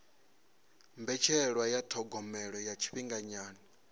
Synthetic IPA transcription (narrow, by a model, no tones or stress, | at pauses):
mbɛt͡ʃʰɛɺwajatʰɔɡɔmɛɺɔjat͡ʃʰi̥ɸiŋɡaɲaːnɔ